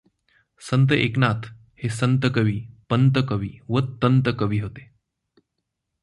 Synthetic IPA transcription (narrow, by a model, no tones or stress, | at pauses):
sənt̪əʔeknat̪ʰ | hesənt̪əkəʋiːpənt̪əkəʋiːʋət̪ːənt̪əkəʋiːɦot̪e̥